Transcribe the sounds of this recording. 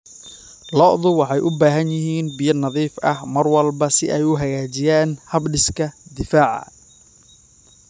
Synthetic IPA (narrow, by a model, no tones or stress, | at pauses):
lɔʔðʊwɑħɑjʔʊbaːɦɐnjɪɦiːnbɪjɐnɑðiːfʔɐhmɐrwɐlbɐsɪʔɛjʊɦɐɣaːt͡ʃɪjaːnhɐbɖɪskʰɐd̪ɪfaːʕɑ̰